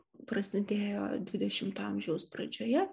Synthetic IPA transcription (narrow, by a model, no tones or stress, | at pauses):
pɾɐsʲɪd̪ʲeːjo̰ːd̪ʲʋʲɪd̪ʲɛʃʲɪmt̪ɐmʲʒʲɛʊspɾɐd͡ʒʲoːjɛ